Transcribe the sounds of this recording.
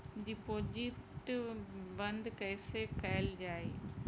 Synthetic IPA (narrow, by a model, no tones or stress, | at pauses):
ɖɪpoːd͡ʑiʈ | bɐ̃nd̪kɐ̃ɪsekɐjld͡ʑaːe